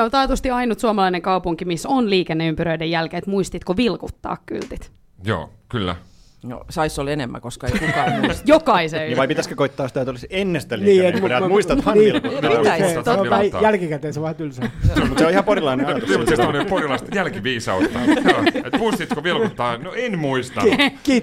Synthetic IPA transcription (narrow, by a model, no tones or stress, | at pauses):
ont̪ɑːt̪ust̪iɑinut̪suɑmɑlɑineŋkɑupuŋkimisonliːkenːeympyɾøidejælkeːt̪muist̪it̪koʋilkut̪ːɑ̰ːkky̰lt̪it̪ | jo̰ːkylːæ̰ | no̰sɑisːolenemːæ̰koskɑeikukɑjokɑiseiʋɑipit̪æskøkoit̪ːɑːsit̪æˑet̪olisenːest̪ælniːet̪æmuist̪ɑt̪ʋɑnilktt̪oɑjælkikæt̪eːnseʋɑt̪ylsɑmut̪seolihɑporilɑinenɑjɑt̪osest̪mneporilɑst̪jælkiʋiːsɑ̰ut̪ːɑ̰et̪muist̪it̪koʋilkut̪ːɑːnoenmuist̪ɑkiː